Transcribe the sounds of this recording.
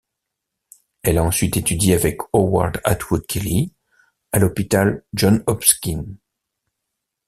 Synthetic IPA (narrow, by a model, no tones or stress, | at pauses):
ɛlaɑ̃sɥit̪et̪yd̪iavɛkɔwa̰ʁd̪a̰t̪ʰwud̪̚kʲʰeli | alɔpit̪alʒɔnɔpskʲin